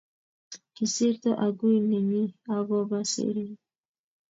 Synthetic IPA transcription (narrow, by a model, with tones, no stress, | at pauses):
ki˨si˦ɾt̪ɔ˦ʔa˨ɡu˦i˨ne˨mi˦a˦bɔ˦ba˦sḛ˨ɾi˦